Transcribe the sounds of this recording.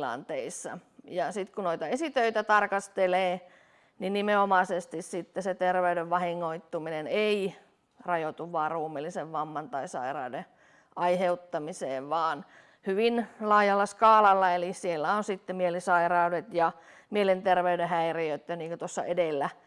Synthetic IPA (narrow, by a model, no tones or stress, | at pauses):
lɑ̰nt̪eisːɑ̰ | jɑsit̪kunoit̪ɑesit̪øit̪æt̪ɑrkɑst̪eleː | ninnimeomɑsest̪issit̪ːeset̪erʋeydeʋʋɑhiŋːoit̪ːuminenei | rɑjot̪uʋʋɑːrruːmilːiseʋʋɑmːɑnt̪ɑisɑ̰irɑ̰ude | ʔɑiheut̪ːɑmiseːʋʋɑːn | hyʋinlɑːjɑlːɑskɑːlɑlːɑelisielːæonsit̪ːemielisɑirɑudet̪jɑ | mielent̪erʋeydehæiriøt̪ːøniːŋkøt̪osːɑ̰ʔedelːæ